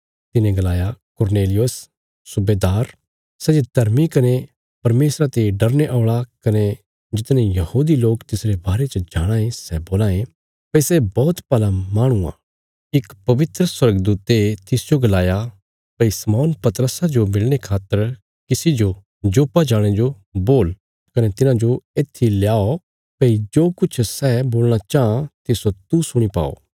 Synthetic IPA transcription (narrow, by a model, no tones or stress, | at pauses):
t̪ɪnẽɡɐlaːjakʊɾneːlɪjosː | ʊbeːd̪aːɾ | sɛd͡ʒed̪ʱɐɾmikɐne | pɐɾmeːsɾat̪eɖɐɾneʔaːɭakɐne | d͡ʒɪt̪nẽjɐhuːd̪iloːkt̪ɪsɾebaːɾet͡ʃəd͡ʒaːɽ̃ãːẽsɛboːlaːẽ | pɐsɛbɔːt̪pɐlamaːɽ̃ua̰ː | ɪkpɐʋɪt̪ɾəswɐɾɡd̪uːt̪et̪ɪsd͡ʒoɡɐlaːja | pɐisɐmɔːnpɐt̪ɾəsad͡ʒomɪlɽ̃ekʰaːt̪ːəɾ | kɪsid͡ʒo | d͡ʒoːpad͡ʒaːɽ̃ed͡ʒo | boːl | kɐnɛt̪ɪnãd͡ʒoeːt̪ʰːiljaːo | pɐid͡ʒoːkʊt͡ʃʰsɛboːlɽ̃at͡ʃaːãt̪ɪsot̪usʊɽ̃ipa̰ːo̰ː